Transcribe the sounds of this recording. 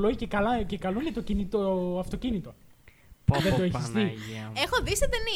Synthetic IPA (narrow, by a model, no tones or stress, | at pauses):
loicekɐlɐcekɐloinet̪ocinit̪oɐft̪o̞cinit̪o̞ | ðed̪oeçist̪iexoðiset̪eni